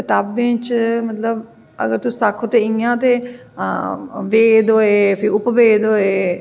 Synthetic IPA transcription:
kɪt̪aːbẽːt͡ʃmət̪ləb | ə̰ɡəɾt̪ʊsːakʰːot̪eːiãːt̪eː | ʋeːd̪oːeːpʰɪɾʊpʋeːd̪oːeː

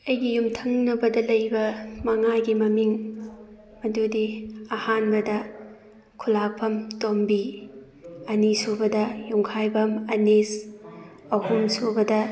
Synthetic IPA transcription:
ɐjɡijumtʰɐŋnɐbɐdɐlɐjbɐmɐŋaɡimɐmiŋ | mɐdudiɐhanbɐdɐ | kʰulak̚pʰɐmtombi | ɐnisubɐdɐjuŋkʰajbɐmɐnes | ɐhumsubɐdɐ

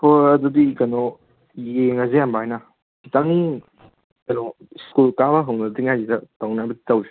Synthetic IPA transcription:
pɔɐdudikanɔ | jjeŋɐzeambajna | sitaŋi | kɐnɔ | skulkabɐɦɐwnɐdiŋajzidɐtawnajbɐditawzi̥

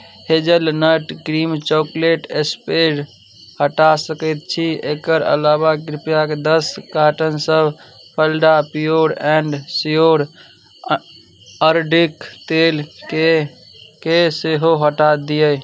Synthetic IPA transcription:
hed͡ʒəlnəʈɡɾimt͡ʃɔkleʈespeɖ | həʈasəkət̪̚t͡ʃʰiekəɾə̰labaɡɾipjaked̪əskaʈənsəbʱ | pʰəlɖapijoɾɛ̃ɳɖsijoɾ | əɾɖikt̪ele | keseɦoɦəʈad̪ijəj

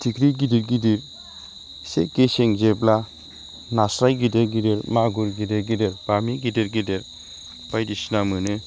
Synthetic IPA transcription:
tʰikɾiɡidiɾɡidiɾ | seɡesɛŋd͡ʒebla | nasɾajɡideɾɡideɾmaɡuɾɡideɾɡideɾb̥amiɡideɾɡideɾ | b̥ajdisnamɯnɯ

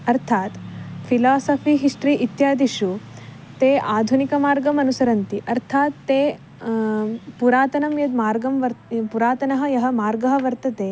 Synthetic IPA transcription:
ɐɾt̪ʰaːt̪pʰilaːsɐpʰiɦiʂʈɾiʔit̪jaːd̪iʂu | t̪eːʔaːd̪ʱunikɐmaːɾɡɐmɐnusɐɾɐnt̪iʔɐɾt̪ʰaːt̪ːeː | puɾaːt̪ɐnɐmjɐd̪maːɾɡɐmʋɐɾpuɾaːt̪ɐnɐɦɐ̆jɐɦɐ̆maːɾɡɐɦɐ̆ʋɐɾt̪ɐt̪eː

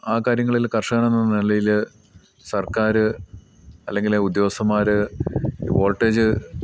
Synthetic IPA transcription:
aːkaːɾjɐŋːɐɭilkɐrʂɐːnenːɐnilɐjil | sɐrkaːɾɨ | ɐlːe̞ŋɡileud̪jo̞ːsɐmaːɾɨ | ʋo̞ːlʈːeːd͡ʑɨ

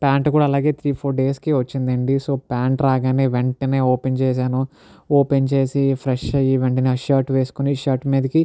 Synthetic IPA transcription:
paːɳʈkuːɽaːɐlaːɡe̞ːt̪ʰɾiːpʰoːɾɖe̞ːskiʋɐt͡ʃːind̪ɐɳɖiso̞ːpaːɳʈɾaːɡaːneːʋeɳʈɐneːoːpent͡ʃeːs̬aːnu | oːpent͡ʃe̞ːsipʰɾeʂɐjiʋeɳʈɐniɐʃaːɾʈʋeːsu̥koniʃɐːɾʈmeːd̪ɐki

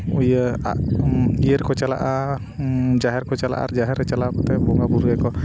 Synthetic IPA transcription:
ujəa̰ʔijəɾkɔt͡ʃala̰ʔa | d͡ʒaɦɛɾkɔt͡ʃala̰ʔa̰ɾd͡ʒaɦɛɾɛt͡ʃalakɔt̪ɛbɔŋɡabuɾɛkɔ

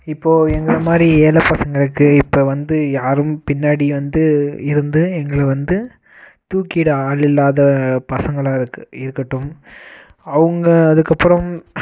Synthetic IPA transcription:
ɪpːoːɛŋɡɐɾɐmaːd̪ɾieːlɐpːɐsɐŋɡɐɭɯkːɯɪpːoːʋɐnd̪ɯjaːɾɯmpɪnːaːɽiʋɐnd̪ɯɪɾɯnd̪ɯɛŋɡɐɭɛʋɐnd̪ɯ | t̪uːkiːɽɐaːɭɪlːaːðɐpɐsɐŋɡɐɭaːɪɾɯkːɯɪɾɯkːɐʈːɯm | ɐʋɯŋɡɐːðɯkːɐpːɯɾɐm

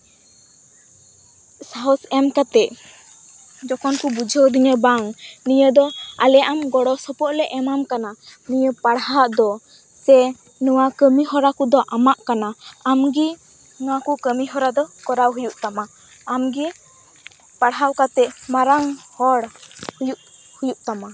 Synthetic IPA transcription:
saɦɔsɛmkat̪ɛʔ | d͡ʒɔkɔnkubud͡ʒʱəwd̪iɲəbaŋnijəd̪ɔalɛʔamɡɔɽɔsɔpɔʔlɛʔɛmamkananijəpaɽɦaʔd̪ɔ | sɛ | nɔwakəmiɦɔɾakud̪ɔʔamaʔkanaamɡi | nɔwakukəmiɦɔɾad̪ɔkɔɾawɦujuʔt̪amaː | mɡi | paɽɦawkat̪ɛmaɾaŋhɔɽhujuʔ | hujuʔt̪ama

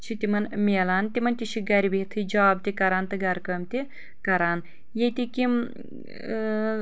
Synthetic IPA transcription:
t͡ʃʰit̪imɐnmʲeːlaːnt̪ʲimɐnt̪iʃʰiɡɐɾibit̪ʰɨd͡ʒaːb̚t̪ikɐɾaːnt̪ɨɡɐɾkɐːmt̪i | kɐɾaːn | jet̪ʲikim

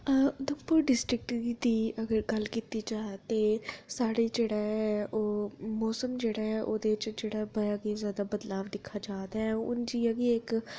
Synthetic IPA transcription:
d̪õːpʊɾɖɪsʈɾɪk̚ʈid̪iːəɡəɾɡəlkiːt̪iːd͡ʒaːt̪eːsaːɽeːd͡ʒeːɽaːɦɛːʔoːmɔːsəmd͡ʒeːɽaːɦɛːʔoːd̪eːɪt͡ʃd͡ʒeːɽaːbəɾaːɡeːzjaːd̪aːbəd̪laːʋd̪ɪkʰːaːd͡ʒaːd̪aːɦɛʊ̰nd͡ʒiːəɡeːɪk

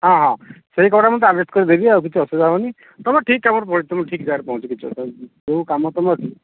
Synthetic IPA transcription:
ɦãɦãseɦikɔɽamɔt̪ɔaɖɾesʈkɔɾid̪ebiawk̬it͡ʃʰuɔsɔd̪aɦɔni | t̪ɔmaʈʰikːabɔɾpɔɾit̪ɔmɔʈʰikd͡ʒaɾpaɦũt͡ʃʰɔkit͡ʃʰuɔ̰sd͡ʒekamɔt̪ɔmaɾʈʰik

